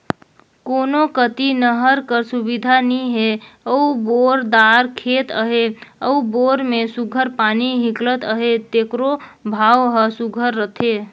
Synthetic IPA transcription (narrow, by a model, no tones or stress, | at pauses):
konokət̪inəɦəɾkəɾsubid̪ʱaniɦeəuboɾd̪aɾkʰet̪əɦeəuboɾmesuɡʱəɾpaniɦiklət̪əɦet̪ekɾobʱawɦəsuɡʱəɾːət̪ʰe